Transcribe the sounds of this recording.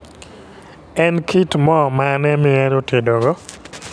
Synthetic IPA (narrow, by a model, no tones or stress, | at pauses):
ɛnkʰitmɔmanɛmɪɛɾotedoɡɔ